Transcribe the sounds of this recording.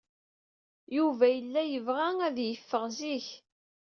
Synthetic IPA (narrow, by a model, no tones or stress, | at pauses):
juvæjəlːæjəvʁæŋæðjəfːəʁziç